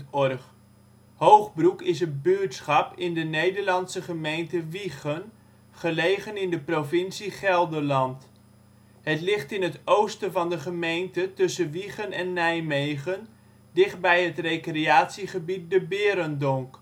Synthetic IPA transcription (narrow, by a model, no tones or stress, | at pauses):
ɔrχ | howχbrukɪsənbytsχɑpɪndənejdəɹlɑnsəχəmejntəʋiχən | χəlejχənɪndəprovɪnsiχɛlˠdəlɑnt | hətlɪχtɪnɦətowstəvɑndəχəmejntətɵsəʋiχənɛnːɛjmejχən | dɪχt̚bɛjɦətrejkreaːtsiχəbit̚dəbɪːɾəndɔŋk